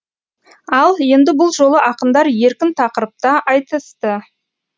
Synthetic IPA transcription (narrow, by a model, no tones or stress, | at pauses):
ɑlˠje̞nd̪ɪbʊlˠʒo̞lˠəʔɑqənd̪ɑɾje̞ɾkʲɪnt̪ʰɑqəɾəp̚t̪ɑʔɑjt̪əst̪ə